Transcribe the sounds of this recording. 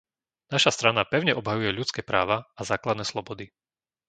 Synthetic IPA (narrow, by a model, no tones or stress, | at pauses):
naʃast̪ɾanapɛʊɲɛʔɔbɦajujɛʎut͡skɛːpɾa̰ːʋaazaːklad̪nɛːslˠɔbɔd̪i